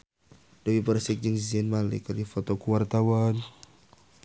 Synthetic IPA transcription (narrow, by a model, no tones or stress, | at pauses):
d̥awipəɾsɪk̚d͡ʒəŋziɛnmalɪ̰kərdifɔt̪ɔkuwart̪awan